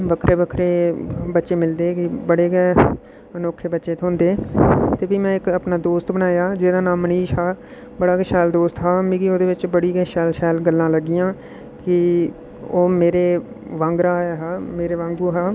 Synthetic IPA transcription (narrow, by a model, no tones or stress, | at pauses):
bəkʰɾʔeːbəkʰɾeːbətːʃeːmɪld̪eːkɪbəɽeːɡɛː | ənoːkʰːeːbətːʃeːt̪ʰoʊ̃nd̪eːt̪eːbiːmɛ̃ːɪkəpnaːd̪oːst̪bənaːjaːd͡ʒeːd̪aːnaːmːəniːʃɦaː | bəɽaːkəʃɛːld̪oːst̪ɦaːmĩɡioːd̪eːʋɪt͡ʃbəɽiːɡɛːʃɛːlʃɛːlɡəlːãːləɡːiːãː | kɪ | oːmeːɾeː | ʋə̃ːŋɡɾaːɛːɦaːmeːɾeːʋãːŋɡuːɦaː